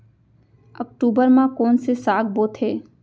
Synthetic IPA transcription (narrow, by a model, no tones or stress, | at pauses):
ək̚ʈubəɾmãkoːnsesaːɡ̚boːt̪ʰeː